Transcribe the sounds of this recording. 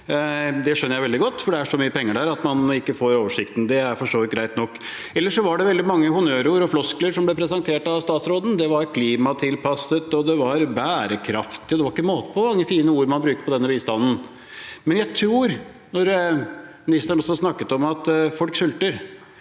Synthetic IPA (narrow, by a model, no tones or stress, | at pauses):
d̪ɛʂœnəɾjæɪʋɛld̪ɪɡɔt̪ːfɔɖɛæʂɔmyːəpʰɛŋːəɖæɾɑt̪mɑnɪkːəfoːɾoːʋəʂɪkt̪n̩d̪ɛæɾfɔʂʈoːʋɪt̪̚ɡɾæɪt̪nɔkː | ɛlːəʂɔʋɑɖɛʋɛld̪ɪmɑŋːəhʊnøːɾuːɾɔflɔskləɾʂɔmblɛpʰɾɛsɛnt̪ʰeːʈɑʋst̪ɑːt̪sɾoːd̪n̩d̪ɛʋɑɾkʰliːmɑt̪ʰɪlpʰɑsət̪ɔd̪ɛʋɑɾbæːɾəkʰɾɑft̪ɪɔd̪ɛʋɑɾɪkːəmoːt̪ə̥pʰɔmɑŋːəfiːnəuːɾmɑnbɾʉːkəɾpʰɔd̪ɛnːəbiːst̪ɑnːn̩ | mɛnjæɪt̪ʰɾuːɾ | nɔɾ | mnɪst̪əɳɔsɔɑsnɑkːət̪ɔmɑt̪fɔlksʉlt̪əɾ